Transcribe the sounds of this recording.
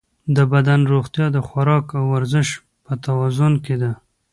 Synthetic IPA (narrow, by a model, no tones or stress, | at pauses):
d̪əbad̪anɾoɣt̪jɑd̪əxaɾɑkawaɾzɪʃ | pət̪awɑzʊnked̪a